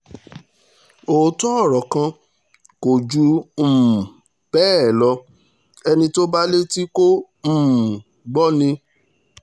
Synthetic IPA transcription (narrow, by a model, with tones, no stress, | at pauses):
o˨˦tɔ˦ɔ˦˨ɾɔ˨kã˧ | ko˨d͡ʒu˨˦m̩̃˨ | b̥ɛː˦˨lɔ˧˦ | ɛ˧nĩ˧to˦ba˦le˦ti˦ko˦ | m̩̃˨ | ɡ͡bɔ˦nĩ˧